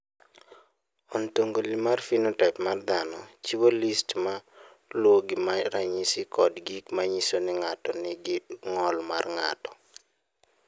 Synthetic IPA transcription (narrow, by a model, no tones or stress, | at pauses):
ɔntoŋɡolimarfinɔtɛpmard̪anɔt͡ʃibolistma | lwoɡɪmaɾaɲisikʰɔdɡikmaɲisonɪŋatɔnɪɡɪŋɔlma̰rŋa̰tɔ̥